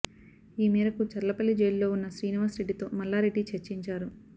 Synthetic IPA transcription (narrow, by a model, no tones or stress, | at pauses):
iːmɛːɾɐkut͡ʃɐɾɐlɐpɐlːid͡ʒejllo̞ːunːɐʃɾiːniʋaːsɾe̞ɖːit̪o̞ːmɐlːaːɾeɖːit͡ʃɐɾt͡ʃiɲt͡ʃaːɾu